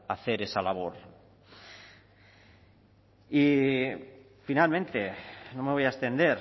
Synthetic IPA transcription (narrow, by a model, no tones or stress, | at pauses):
aθeɾesalaβ̞oɾ | i | finalmẽnt̪enõmeo̞jaest̪end̪e̞ɾ